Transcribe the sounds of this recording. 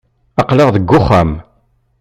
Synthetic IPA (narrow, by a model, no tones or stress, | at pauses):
ɑqlɪʁðəɡːʊχːæm